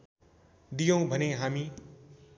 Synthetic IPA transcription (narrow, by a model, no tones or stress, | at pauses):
d̪ijʌ̃w̃bʱʌneɦami